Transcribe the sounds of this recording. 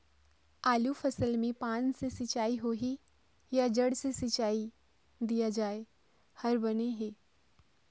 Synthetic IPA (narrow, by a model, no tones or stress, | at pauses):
aːlufʰɐsəlmẽpaːnsesɪt͡ʃaːiɦoːɦi | jad͡ʒɐɽsesɪt͡ʃaːi | d̪ijad͡ʒaːe | hɐɾbɐneɦeː